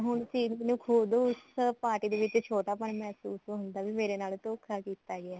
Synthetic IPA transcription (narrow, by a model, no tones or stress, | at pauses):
ɦʊɳt͡ʃiːmnũːkʰuːbd̪oʊspaːʈiːd̪eːʋɪt͡ʃt͡ʃʰoːʈ̪aːpəɳmɛːsuːsoɦʊnd̪aːʋiːmeːɾeːnaːlt̪oːkʰaːkiːt̪aːɡɪaː